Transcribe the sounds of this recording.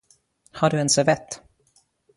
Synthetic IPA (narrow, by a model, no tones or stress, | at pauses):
haɖɵɛnsɛvɛt̪ː